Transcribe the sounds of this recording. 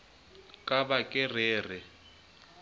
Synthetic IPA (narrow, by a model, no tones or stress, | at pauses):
kʼabakʼɪreːr̤ɪ